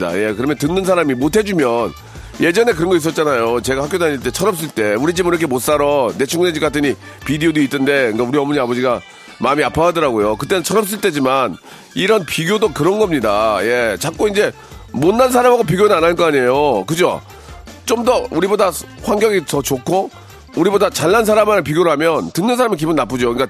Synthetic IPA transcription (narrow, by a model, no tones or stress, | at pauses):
a̰je̞kɯɾʌmjʌntɯnːɯnsʰaɾamimotʰe̞d͡ʑumjʌn | je̞d͡ʑʌne̞k̬ɯɾʌnɡʌis̬͈ʌt̚t͡ɕ͈anajot͡ɕe̞ɡahak͈odaɲiɭt͈e̞t͡ɕʰʌɾʌp̚s̬͈ɯɭt͈e̞uɾid͡ʑimiɾʌkʰe̞mot̚s͈aɾʌne̞t͡ɕʰuŋɡɯned͡ʑik͈atʰɯɲi | pidiodoit͈ʰːɯnde̞ɯnɡauɾiʌmʌɲiabʌd͡ʑiɡa | mamiapʰaɦadʌɾaɡojokɯt͈e̞nɯnt͡ɕʰʌɾʌp̚s͈ɯɭt͈e̞d͡ʑiman | iɾʌnpiɡjodokɯɾʌnɡʌmɲidaje̞t͡ɕak͈oind͡ʑe̞ | monːansʰaɾamɦaɡopiɡjonɯanank͈ʌaɲejokɯd͡ʑo̰ | t͡ɕ͈omdʌuɾibodaɸwaŋɡjʌɡitʌt͡ɕokʰo | uɾibodat͡ɕaɭːansʰaɾamanɯpiɡjoɾɯɭhamjʌntɯnːɯnsʰaɾamik̬ibunːap͈ud͡ʑoɯk͈a